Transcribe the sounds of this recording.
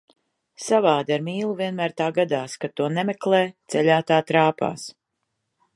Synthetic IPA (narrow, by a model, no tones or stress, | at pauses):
savaːd̪aɾmiːlˠuviɛnmæːɾt̪aːɡad̪aːskat̪ːuɔnɛmɛklɛːt̪sɛlʲaːt̪aːt̪ɾaːpa̰ːs